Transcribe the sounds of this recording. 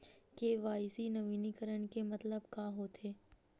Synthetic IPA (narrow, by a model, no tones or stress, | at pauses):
keʋaːɪsinɐʋiːnikəɾəɳ̃kemɐt̪ləbkaɦot̪ʰeː